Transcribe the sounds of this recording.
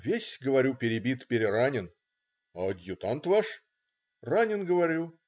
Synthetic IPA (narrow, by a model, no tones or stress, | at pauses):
vʲesʲɡəvɐɾʲupʲɪɾʲɪbʲit̪pʲɪɾʲɪɾanʲɪn | ɐɐd̪ʲjʊt̪ant̪vaʂ | ranʲɪnɡəvɐɾʲulˠ